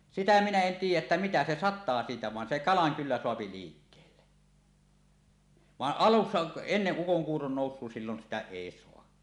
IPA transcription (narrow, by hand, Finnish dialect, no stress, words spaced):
sitæ minæ en tiːjˑæʔ ʔetːæ mitæ se sɑtˑɑː siːtæ ʋɑn se kɑlɑŋ kylːæ soɑpi liːkːeːlːe ʋɑʔ ʔɑlusːɑ enːeʔ ʔukoŋkuːron noˑusˑuo silːon sitæ eˑi soɑ